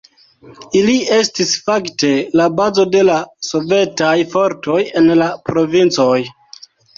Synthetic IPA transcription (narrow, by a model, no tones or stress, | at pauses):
ilie̞stisfakte̞labazo̞de̞laso̞ve̞tajfo̞ɾto̞je̞nlapɾo̞vint͡so̞j